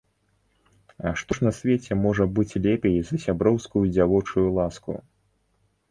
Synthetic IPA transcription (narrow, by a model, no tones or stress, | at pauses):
ɐʂt̪ɔʂnɐsʲvʲɛt͡sʲɛmɔʐɐbɨt͡sʲlʲɛpʲejzɐsʲabɾɔwskujud͡zʲavɔt͡ʂujulˠaskṵ